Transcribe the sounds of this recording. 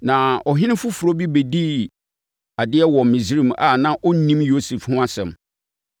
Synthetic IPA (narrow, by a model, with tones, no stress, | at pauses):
nã˨ʔɔ˨ɦɪ̃˦nɪ̃˦fʊ˦fu˨ɾo˦bi˦be˨di˦ | a˨dɪ˦ɛ˦wɔ˨m˨mɪ̃˨zi˦ɾĩ˨ma˨nã˦ʔɔ˦nĩ˦mjo˦se˨fhʊ̃˦a˦sɛ̰̃˨m